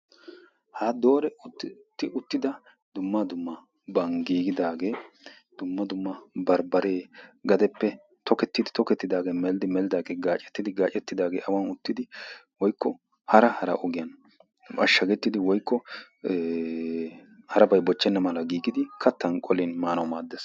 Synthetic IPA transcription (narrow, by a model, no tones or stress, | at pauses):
had̪o̞ːɾɛʊtːt̪ːɪʊt̪ːɪd̪ɐ | d̪ʊmːɐd̪ʊmːɐ | bɐŋɡiːɡɪd̪aːɡe̞ː | d̪̥ʊmːɐd̪ʊmːɐbɐɾbɐɾe̞ːɡɐd̪ɛpːɛ | t̪ɔkɛt̪ːɪd̪ɪt̪ɔkɛt̪ːɪd̪aːɡe̞ːmɛlɪd̪ɪmɛlɪd̪aːɡeːɡaːt͡ʃʼɛ̥t̪ːɪd̪ɪɡaːt͡ʃʼɛt̪ːɪd̪aːɡeːʔɐwɐnʊt̪ːɪd̪ɪ | wɔjkʰːɔ | hɐɾɐhɐɾɐ̰ʔɔɡɪjɐn | ɐʃːɐɡɛt̪ːɪd̪ɪwɔjkːɔ | hɐɾɐbɐjbɔt͡ʃːɛnːɐmɐlɐɡiːɡɪd̪ɪkʰɐt̪ːɐnkʼɔlɪnmaːnɐwmaːd̪ːeːs